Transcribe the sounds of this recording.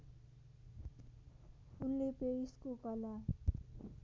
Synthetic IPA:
unlepeiskokʌla

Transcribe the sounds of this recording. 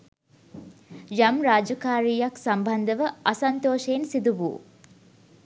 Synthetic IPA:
jɐmɾaːd͡ʒɐkaːɾiːjɐksɐmbʱɐnd̪əʋəʔɐsɐnt̪oːʃeːnsid̪uʋṵː

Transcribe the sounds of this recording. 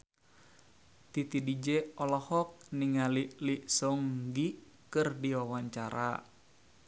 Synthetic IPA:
t̪it̪idid͡ʒɛɔlɔhɔk̚niŋaliliʔsɔŋɡi | kɨrdiwawaɲt͡ʃaɾa̰

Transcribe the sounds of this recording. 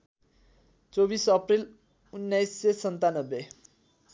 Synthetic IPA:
t͡sobisʌpril | unːajsːesʌnt̪anʌbːe

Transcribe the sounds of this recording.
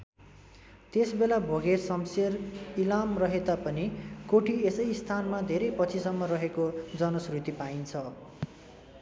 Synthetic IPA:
t̪esbelabʱoɡesʌmserilamrʌɦet̪apʌnikoʈʰiesʌjst̪ʰanmad̪ʱeɾʌjpʌt͡sʰisʌmːʌrʌɦekod͡zʌnʌsrut̪ipaint͡sʰʌ

